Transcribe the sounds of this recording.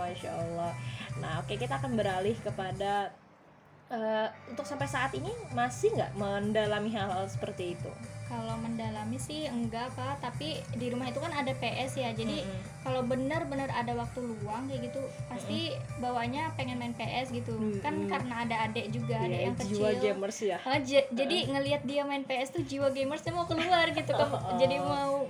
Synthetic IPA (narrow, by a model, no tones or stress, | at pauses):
inʃa̰əlːɔhnahokajakit̪aːkanbəɾalɪhkəpada | əunt̪ʊksampajsaːt̪inimasɪhŋɡa̰ʔməndalamiɦalalsə̥pərt̪iːt̪ṵkaloməndalamisɪhəŋɡaʔpat̪apidiɾumaɦit̪ukanadapeʔɛsjad͡ʒadi | kalawbənərbənəradawak̚t̪uluaŋjaɡit̪upasst̪ibawaɲapeŋɛnmaɛnpeʔɛsɡit̪ukankaɾənaːdaːdɛʔd͡ʒuɡaːdajaŋkəd͡ʒit͡ʃaɡemərsjaəhd͡ʒd͡ʒadiŋəliat̪̚diamaɛnpeɛst̪uhd͡ʒiwaɡemərsɲamaukəluarɡit̪ukand͡ʒadimau